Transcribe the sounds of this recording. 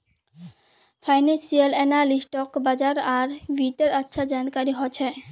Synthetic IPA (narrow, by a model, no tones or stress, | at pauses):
fʰajnensialenalisʈɔkbad͡ʑaɾaɾbiʈeɾatːʃʰad͡ʑankaɾiɦɔet͡ɕʰe